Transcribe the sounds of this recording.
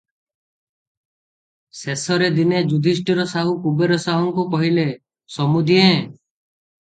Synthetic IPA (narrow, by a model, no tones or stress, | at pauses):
sesɔɾed̪ined͡ʒud̪ʱis̬ʈiɾɔsaɦukubeɾɔsaɦɔŋkukɔɦile | sɔmud̪ʱiẽ